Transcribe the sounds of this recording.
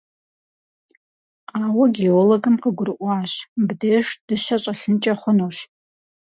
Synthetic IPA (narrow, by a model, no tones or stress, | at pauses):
aːwɐɡioːloɡɨmqəɡʷʊrɨʔʷɑːɕbdiɛʂd̥ɨʃɐɕʼɐɬɨnt͡ʃʼɐχʷʊnoːʃ